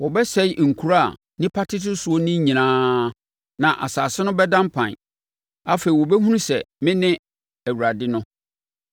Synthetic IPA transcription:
wɔ˨bɛ˦sɛ˦˨ŋ̩˨kʰu˨˦ɾa̰˦˨ | nɪ̃˦pʰa˦tʰɪ˦tʊ˦su˨o˦nɪ̃˦ɲĩ˨nãː˦ | nã˨ʔa̰˨saː˨sɪ˦nʊ̃˦bɛ˦dã˦mpʰã̰˨n˨ | a˦fe˨i˨wɔ˨bɛ˦ɦũ˦ũ˦sɛ˨mɪ̃˦nɪ̃˦ | æ˨wu˨ɾa˨dɪ˦nʊ̃˦

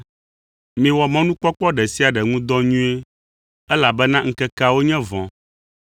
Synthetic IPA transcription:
mĩ˨wɔ˨mɛ̃˦nũ˦k͡pɔ˦k͡pɔ˦ɖɛ˨si˦a˨ɖɛ˨ŋũ˦d̪ɔ̃˦ɲũ˦e˦ | ɛ˦la˨bɛ˦nã˦ŋ̩˦kɛ˦ka˦wo˦ɲɛ̃˦vɔ̃˨

